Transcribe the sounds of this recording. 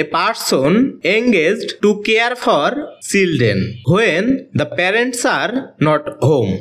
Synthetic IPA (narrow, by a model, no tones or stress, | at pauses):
epaɾʈsoneŋɡed͡ʒɖʈukeəɾfʰɔɾsilɖḛnɦoend̪əpɛɾeɳʈsaɾnɔʈɦom